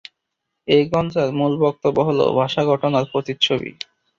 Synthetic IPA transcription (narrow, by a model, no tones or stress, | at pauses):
ejɡɔnd͡ʑaɾmulbɔk̚t̪obːoɦolo̰bʱaʃaɡʱɔʈonaɾpɾot̪it̪t͡ɕʰobḭ